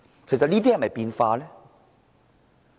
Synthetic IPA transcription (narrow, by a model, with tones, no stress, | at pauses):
kʰe˨˩js̬ɐ˨t̚liː˥t̪iː˥ɐ˨˩mɐ˨jpiː˧nfaː˧lɛː˦˥